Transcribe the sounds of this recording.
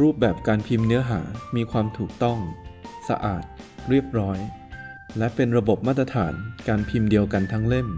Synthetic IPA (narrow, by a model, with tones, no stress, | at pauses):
ɾuː˥˩p̚bɛː˨˩p̚kaː˧npʰi˧mnɯ˦˥ɐɦaː˩˦miː˧kʰwaː˧mt̪ʰuː˨˩k̚t̪ɔ˥˩ŋsa̰˧ʔa̰ː˨˩t̪̚ | ɾi˥˩əp̚ɾɔː˦˥j | lɛ˦˥ʔpe˧nɾa˧bo˨˩p̚maː˥˩t̪ɾa˧t̪ʰaː˩˦nkaː˧npʰi˧mdi˧əwka˧nt̪ʰa˦˥ŋle˥˩n